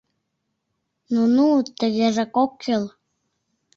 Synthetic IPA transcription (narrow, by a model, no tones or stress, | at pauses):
nunut̪ːə̆ɣeʒekokːil